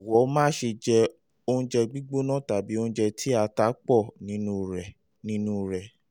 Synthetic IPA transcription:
ɔ˨wɔ˨˦mãː˦ʃe˧d͡ʒɛ˧ | o˧ũ˦d͡ʒɛ˧ɡ͡bi˦ɡ͡bo˦nã˦˨ta˨bi˨˦o˧ũ˦d͡ʒɛ˧tʰi˦a˧ta˨˦k͡pɔ˦˨nĩ˨˦nũ˧˨ɾɛ˨ | nĩ˨˦nũ˦ɾɛ˨

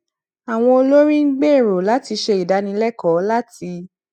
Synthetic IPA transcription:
a˨w̃ɔ̃˧o˧lo˦ɾĩ˦ɡ͡be˦˨ɾo˨la˨˦ti˧ʃe˧i˨da˨˦nĩ˧˦lɛ˦kɔ˨˦la˦ti˧

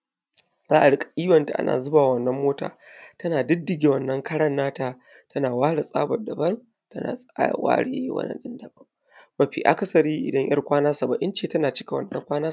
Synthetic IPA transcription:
zaː˦ʔa˨ɽɪ˦kʼḁ˨ʔʲiː˦wɐ˨nta˨ʔa̰˦nʔa̰ː˨zʊ˦baː˨wɐ˦nːɐ˦mːoː˦ta̰ː˨tɐ˦naː˨dɪ˦dːɪ˨ɡʲe˨wɐ˦˨nːɐ˦ŋkʰɐ˦ɽɐ˦nːaː˦taː˨ | tɐ˦naː˨waː˦ɽa˨sʼa̰ː˦bɐ˨dɐ˨bɐ˦n | tɐ˦na̰ː˨sʼwa̰ː˦ɽḛ˦˨˦jwɐ̰˦nɐ̰˦ɗɪ˦ndɐ˨bɐ˦m | bɐ˨ɸḭ˨ʔa̰˨kɐ˦sɐ˨ɾiː˦ʔɪ̰˨dɐ˦ɲʔɐ̰˦rkʷaː˦naː˦sa˨ba˨ʔɪ˦nt͡ʃeː˦˨tɐ˦naː˨t͡ʃɪ˦kʲa˨wɐ̰˨nːɐ˦ŋkʷaː˦naː˦

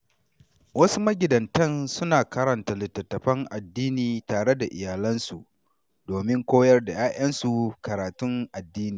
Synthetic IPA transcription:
wɐ˦su˦mɐ˦ɡʲɪ˨dɐ˨ntɐ˦nsʊ˦naː˨kɐ˦ɾɐ˨nta˨lɪ˨tːɐ˨tːɐ˨ɸɐ˦ŋʔa˨dːiː˦niː˨taː˨ɽe˦da˨ʔɪ̰˨jaː˨lɐ˦nsu˨ʔ | doː˨mɪ˦ŋkʷoː˦jɐ˦rda˨jaː˦j̰ɐ˦nsu˨kɐ˨ɾaː˨tʊ˦ŋʔa˨dːiː˦niː˨

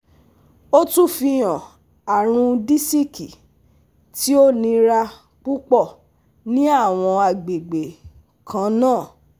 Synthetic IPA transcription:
o˦tũ˦fi˧jã˨ | a˨ɾ̃ũ˧di˦si˦ki˨ | ti˦o˦nĩ˧ɾa˧ | k͡pu˦k͡pɔ˦˨ | nĩ˦a˦˨w̃ɔ̃˧a˨ɡ͡be˨ɡ͡be˨ | kʰã˨˧˦nãː˦˨

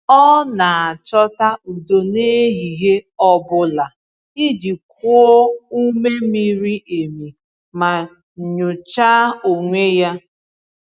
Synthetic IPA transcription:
ɔ˦na˨a˨t͡ʃɔ˦ta˦u˨do˨ne˦ɦi˨ɦe˦ɔ˦bʊ˦la˨ | i˦di˨k̚ʊ˦ɔ˦u˦me˦mi˦ɾi˦ʔe˨mi˨ | ma˨ | ɲʊ˨t͡ʃa˦o˨ŋʷe˦ja˦

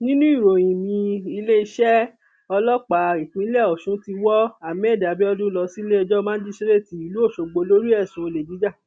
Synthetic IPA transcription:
nĩ˦nũ˦i˦˨ɾo˨j̃ĩ˨mĩ˧i˧le˦i˧ʃɛ˦ | ɔ˧lɔ˦k͡pa˨ĩ˨k͡pĩ˨˦lɛ˦˨ɔ˨ʃũ˨˦ti˧wɔ˦a˦˨mɛ˦˨da˨bi˦ɔ˧dũ˦lɔ˧si˦le˦ɔ˧d͡ʒɔ˦mãː˦n̩˦di˦ʃe˦ɾe˦˨ti˨˦i˨lu˨˦o˦˨ʃo˨ɡ͡bo˨˧lo˦ɾi˦ɛ˦˨sũ˨˦o˧˨le˨d͡ʒi˨˦d͡ʒa˦˨

